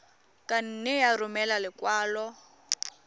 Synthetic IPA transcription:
kʼan̩nɛjaɾʊmɛlalɪkwaːlɔ

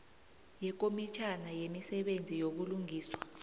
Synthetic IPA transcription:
jɛk̬ʼomit͡ʃʰanajemisɛɓend͡zʱijoɓuluŋiːswa

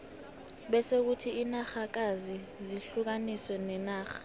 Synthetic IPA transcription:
ɓɛsek̬utʰiinaxak̬azi | ziɬuk̬aniswɛnɛnaːxḁ

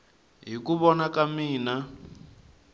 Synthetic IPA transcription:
ɦikuβɔnakamiːna

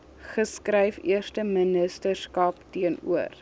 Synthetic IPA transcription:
χəskrɛjfiərstəmənəstərskɐptiənṵər

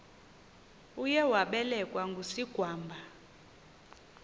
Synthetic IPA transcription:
ujɛwaɓɛlɛkʼwaŋɡʱusiɡ̥ʱwaːmbʱa

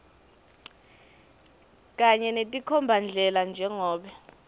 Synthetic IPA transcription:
k̬ʼaɲɛnetʼikʰɔmbʱand͡ɮʱɛland͡ʒʱɛŋɔːɓɛ

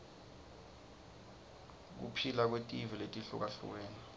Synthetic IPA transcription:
k̬ṵpʰilak̬wetʼiviletʼiɬṵk̬aɬṵk̬eːni

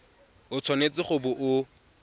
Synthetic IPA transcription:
ʊt͡sʰwɔnet͡sɪχʊbʊʔʊ

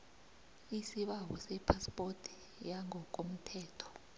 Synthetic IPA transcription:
isiɓawɔsɛpʰaspʼotʰi̥ | jaŋʱɔkʼom̩tʰɛːtʰɔ̥

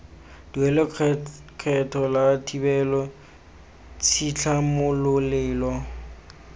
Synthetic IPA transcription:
d̥iwɛlɪkʰɛtʰɔlatʰʼibɛlɔ | t͡sʰit͡ɬʰamʊlʊlɪːlɔ

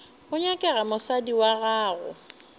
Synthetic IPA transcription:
ʊɲakʼɛɣamʊsadiwaɣaːɣʊ̰

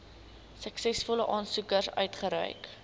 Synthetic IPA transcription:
səksɛsfɔləʔɑːnsukərsœ̰ɥtχəɾœ̰jk

